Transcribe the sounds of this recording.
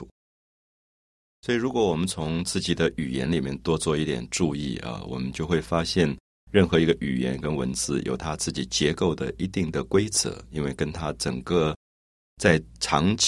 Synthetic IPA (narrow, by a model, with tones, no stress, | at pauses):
swɔ˧˥i˨˩ɻu˧˥kwɔ˧˥wɔ˨˩mə˦nt͡sʰʊ˧˥ŋt͡sɹ̩˥˩t͡ɕi˨˩d̪ə˦ʔy˨˩jɛ̰˧˥nli˨˩mjɛ̰˥˧nt̪wɔ˥t͡swɔ˥˧i˥˩t̪jɛ̰˨˩nʈ͡ʂu˥˧i˥˩ə̰˧˩wɔ̰˨˩mə˦nt͡ɕjo˥˧ʊxwe˥˩ɪfa˥ɕjɛ˥˧n | ɻə˥˩nxɤ˧˥i˧˥ɡə˧ʔy̰˨˩jɛ̰˧˥nkə˥nwə̰˧˥nt͡sɹ̩˥˩jʔo̰˨˩ʊt̪ʰa˥t͡sɹ̩˥˩t͡ɕi˨˩t͡ɕjɛ˧˥ko˥˩ʊd̪ə̰˩ʔi˧˥t̪i˥˩ŋd̪ə˩kwe˥ɪt͡sʰɤ̰˧˥˦i˥nwe˥˩ɪkə˥nt̪ʰa˥ʈ͡ʂə˨˩ŋkə˧ | t͡sa˥˩ɪʈ͡ʂʰɑ˧˥ŋt͡ɕ